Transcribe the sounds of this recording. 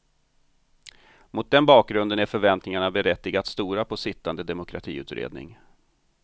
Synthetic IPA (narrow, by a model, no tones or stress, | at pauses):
mʊt̪̚d̪ɛnbɑːk̚ɡɾɵnd̪ənæɾfœɾvɛnt̪nɪŋaɳabɛɾɛt̪ːɪɡat̪st̪uːɾapʰɔsɪt̪ːand̪əd̪ɛmʊkʰɾa̰t̪ʰḭːʉ̟ːt̪ɾḛːd̪nɪ̰ŋ